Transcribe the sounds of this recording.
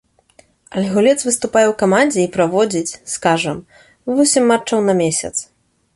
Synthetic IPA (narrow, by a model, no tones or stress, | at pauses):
ɐlʲɣulʲɛt̪svɨst̪upajɛwkamanʲd͡zʲɛipɾavɔd͡zʲit͡sʲskaʐɐm | vɔsʲimʲːat͡ʂɐwnɐmʲesʲɐ̰t̪s